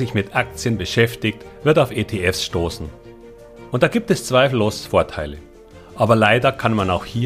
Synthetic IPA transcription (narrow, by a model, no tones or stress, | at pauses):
ɪçmɪtʔak̚t͡sjənbəʃɛftɪktvɪɐtaʊfeːtʰeɛfsʃtoːsn̩ | ʔʊnt̚d̥aːɡiːp̚tɛst͡sv̥aɪfl̩loːsfoːɐtʰaɪlə | ʔaːbɐlaɪdɐkʰanmanaʊxhiː